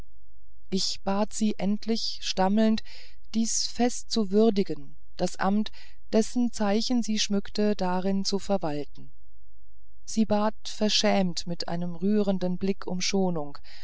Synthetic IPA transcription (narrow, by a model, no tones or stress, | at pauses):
ʔɪçb̥aːtz̥iːʔɛntʰlɪç | ʃtaml̩nt | d̥iːs | fɛstt͡suvʏɐdɪɡən | d̥asʔa̰mt | d̥ɛsn̩t͡saɪçn̩ziːʃmʏktədaʁɪnt͡sufɛɐvaltn̩ | z̥iːbaːtfɛɐʃɛːmtmɪtʔa̰ɪnəmʁyːʁəndənblɪkʰʊ̰mʃoːnʊŋ